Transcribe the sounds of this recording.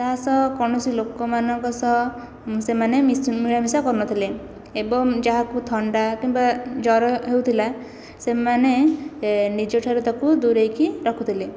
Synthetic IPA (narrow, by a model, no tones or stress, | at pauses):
d͡ʒaɦasɔkɔɽ̃ɔsilokɔmanɔŋkɔsɔ | semanemimiɭamisakɔɾnɔt̪ʰile | ebɔŋd͡ʒaɦakut̪ʰɔɳɖakimbad͡ʒɔɾɔɦewt̪ʰila | semane | nid͡ʒɔʈʰaɾɔt̪ɔkud̪uɾejkiɾɔkʰut̪ʰile